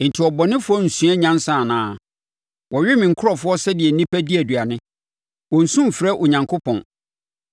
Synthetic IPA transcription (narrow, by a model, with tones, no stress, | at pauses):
n̩˨tʰɪ˨ɔ˨bɔ˨nɪ̃˦fʊ˦ɔ˦n̩˨sũ˦ɛ˦ɲã˦n˦sã˦˨nãː˨˦˨ | wɔ˨ɥᶣɪ˦mɪ̃˨ŋ̩˨kʰʊ˦ɔ˦˨fʊ˦ɔ˦sɛ˦dɪ˨ɛ˨nĩ˦pʰæ˦di˦æ˨dɥa˨nɪ̃˦ | wɔ̃˨n̩˨sũ˦m˨fɾɛ˦ʔʊ˨ɲã˨ŋkʰo˦pʰɔ̰̃˨n